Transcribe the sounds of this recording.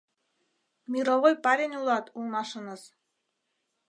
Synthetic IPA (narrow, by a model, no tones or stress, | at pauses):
mʲiɾoʁojpaɾʲenʲulˠɑt̪ulˠmɑʃɤ̆nɤz